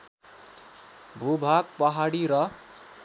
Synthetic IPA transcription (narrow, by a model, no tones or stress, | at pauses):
bʱubʱaɡ̚pʌɦaɽiɾʌ